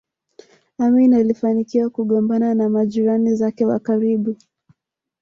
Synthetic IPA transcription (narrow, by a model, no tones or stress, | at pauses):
aminalifanikiwakuɠɔmbananamaʄiɾanizakɛwa̰kaɾiɓu